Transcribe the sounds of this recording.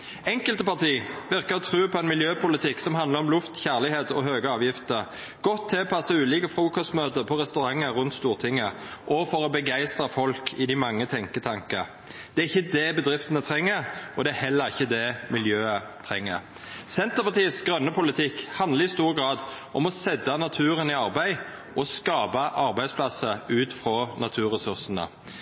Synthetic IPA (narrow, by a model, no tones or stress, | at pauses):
ɛŋkəlt̪əpɑʈiːʋɪʁkəɾɔt̪ʰʁʉːpʰɔɛnmɪljøːpʊlɪt̪ʰɪksɔmɦɑnd̪ləʁɔmlʉft̪çæʁlɪheːt̪ɔɦøːɡəɑːʋjɪft̪əʁ | ɡ̥ɔt̪ʰːɪɔpʰɑsəʉːliːkəfʁuːkɔst̪møːt̪əpʰɔʁɛst̪ʉʁɑŋːəɾʉnt̪st̪uːʁt̪ʰɪŋːəʔɔfɔɾɔbəɡæɪst̪ʁəfɔlkʰɪd̪ɪmɑŋːət̪ʰɛŋkət̪ʰɑŋkə̰ | d̪̥ɛæɾɪçːəd̪ɛbəd̪ɾɪft̪ənət̪ʰɾɛŋːəɾʔɔd̪ɛæhɛlːəɾɪçːəd̪ɛmɪljøːət̪ʰɾɛŋːə̰ʁ | sɛnt̪əʁpɑʁt̪iːəsɡɾœnːəpʊlɪt̪ʰɪkhɑnd̪ləɾɪst̪uːɾəɡɾɑːd̪ʔɔmɔsɛd̪ɑnɑt̪ʰʉːɾənɪɑʁbæɪ | ʔɔskɑːbɑʔɑʁbæɪd̪splɑsəʉːt̪fɾɔnɑt̪ʰʉːʁɛsʉʁsənə̰